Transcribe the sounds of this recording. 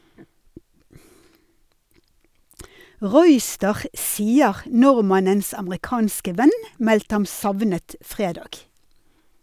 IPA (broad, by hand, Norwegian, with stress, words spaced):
ˈʁuːˌʏstəʁ ˈsiːəʁ ˈnʊʁmɑnəns ɑməʁɪˈkɑːnskə ˈʋɛn ˈmɛltə ˈhɑm ˈsɑʋnət ˈfʁeːdɑːɡ